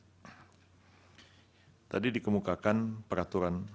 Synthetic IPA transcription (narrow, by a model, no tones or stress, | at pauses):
t̪adidikəmukakanpəɾat̪uɾan